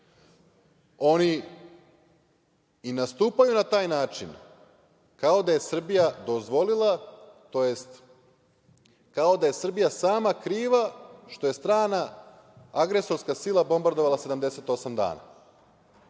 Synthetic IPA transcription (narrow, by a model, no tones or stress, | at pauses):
o̞ni | inast̪uːpajunat̪aːjnaːt͡ʃin | kao̞d̪aje̞sr̩bijad̪o̞zʋo̞lilˠat̪o̞je̞st̪ | kao̞d̪aje̞sr̩bijasaːmakɾiːʋaʃt̪o̞je̞st̪ɾaːna | aɡɾe̞so̞ɾskasiːlˠabo̞mbaɾd̪oʋalˠase̞d̪amd̪e̞set̪o̞samd̪a̰ːna̰